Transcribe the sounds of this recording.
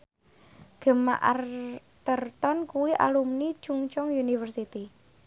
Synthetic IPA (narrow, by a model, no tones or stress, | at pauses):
ɡ̥ə̤ma̰ʔa̰r | t̪ərt̪ɔnkuwiʔa̰lumnit͡ʃuŋt͡ʃɔŋjunifərsit̪i